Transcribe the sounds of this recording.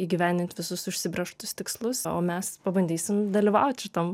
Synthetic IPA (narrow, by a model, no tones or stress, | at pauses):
iːɡʲɪʋʲænʲd̪ʲɪnt̪ʲʋʲɪsʊsʊʃʲsʲɪbʲɾʲɛʃt̪ʊst̪ʲɪkslˠʊsoːmʲɛspɐbɐnʲd̪ʲiːsʲɪmd̪ɐlʲiːʋɐ̰ʊt̪ʲʃʲɪt̪om